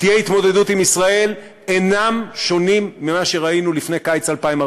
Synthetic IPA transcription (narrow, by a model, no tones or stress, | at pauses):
t̪ijeit̪mo̞d̪e̞dut̪imisʁae̞l | e̞namʃo̞nimːimaʃe̞ʁainulifnekajt͡salpaima